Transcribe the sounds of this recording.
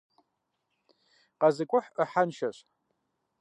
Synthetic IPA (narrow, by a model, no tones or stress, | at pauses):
qʼazɨkʷʼʊħəħanʃaɕʷ